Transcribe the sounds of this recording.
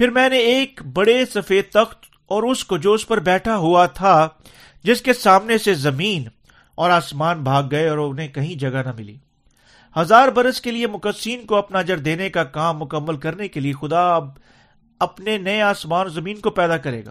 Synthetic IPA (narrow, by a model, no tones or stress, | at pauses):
pɪɾmɛ̃ːneeːkbɐɽesɐfeːt̪ɐxt̪ | ɔːɾʊskod͡ʒoːspɐɾbɛːʈʰaɦuat̪ʰa | d͡ʒɪskesaːmnesezɐmiːn | ɔːɾaːsmaːnbʱaːɡːɐeɔːɾʊnɦẽkɐɦĩd͡ʒɐɡanɐmɪlḭː | hɐzaːɾbɐɾəskeliemʊkəsiːnkoɐpnad͡ʒɐɾd̪eːnekakaːmːʊkəmːəlkɐɾnekeliexʊd̪ab | ɐpnenɐeaːsmaːnzɐmiːnkopɛːd̪akɐɾḛːɡa̰ː